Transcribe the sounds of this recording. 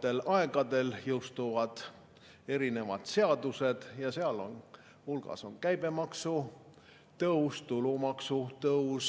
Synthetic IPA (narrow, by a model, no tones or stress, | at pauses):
t̪e̞lɑe̞ɡ̥ɑd̪e̞ljɤwst̪uvɑd̪̥ | e̞ɾine̞vɑd̪̥se̞ɑd̪use̞d̪̥jɑseɑlo̰n | hulɡ̥ɑ̰so̞nkæjbe̞mɑksu | t̪ɤust̪ulumɑksut̪ɤus